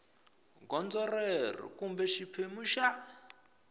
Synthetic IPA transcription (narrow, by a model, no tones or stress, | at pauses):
ɡɔnd͡zɔrerḭkumbɛʃipʰemuʃa